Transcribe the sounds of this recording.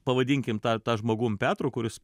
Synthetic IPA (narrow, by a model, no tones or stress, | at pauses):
pɐʋɐd̪ʲɪːŋʲkʲɪmt̪ɑːt̪ɑːʒmoːɡuːmpʲæːt̪ɾoːkʊɾʲɪs